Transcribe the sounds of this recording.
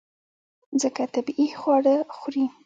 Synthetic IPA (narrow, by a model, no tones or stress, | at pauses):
zəkat̪abixwɑɽəxɾi